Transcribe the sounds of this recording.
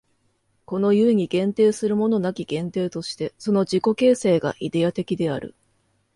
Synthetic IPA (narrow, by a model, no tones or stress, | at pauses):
ko̞no̞jɯ̟eɲ̟iɡẽ̞nt̪e̞ːsɨɾɯ̟mo̞no̞nakʲiɡ̥ẽ̞nt̪e̞ːt̪o̞ɕi̥t̪e̞so̞no̞ʑiko̞ke̞ːse̞ːɡa̰ʔid̪e̞at̪e̞kʲid̪e̞aɾɯ̟̰